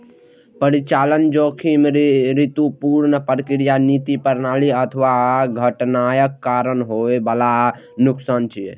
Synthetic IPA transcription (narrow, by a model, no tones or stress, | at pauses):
pəɾit͡ʃalənd͡ʒokʰimɾit̪upuɾnəpəɾkɾijanit̪ipəɾnaliət̪ʰəʋaɡʱəʈnajəkːaɾənɦoʋebala | nuksant͡ʃʰi